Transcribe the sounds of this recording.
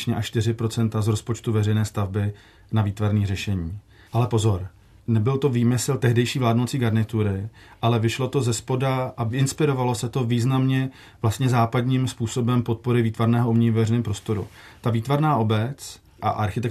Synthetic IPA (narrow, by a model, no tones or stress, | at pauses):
ɲɛʔaʃt̪ɪr̝ɪpɾo̞t͡sɛnt̪azɾo̞spo̞t͡ʃt̪uvɛrɛjnɛːst̪avbɪ | naviːt̪vaɾniːrɛʃɛɲiː | ʔalɛpo̞zo̞ɾ | nɛbɪlt̪o̞viːmɪslt̪ɛɦdɛjʃiːvlaːdnowt͡siːɡaɾnɪt̪uɾɪ | ʔalɛvɪʃlo̞t̪o̞zɛspo̞daʔaɪnspɪɾo̞valo̞sɛt̪o̞viːznamɲɛ | vlast̪ɲɛzaːpad̪ɲiːmspuːso̞bɛmpo̞t̪̚po̞ɾɪviːt̪vaɾnɛːɦo̞ʔumɲɛɲivvɛrɛjnɛːmpɾo̞st̪o̞ɾṵ | t̪aviːt̪vaɾnaːʔo̞bɛt͡s | ʔa̰ʔaɾxɪt̪ɛk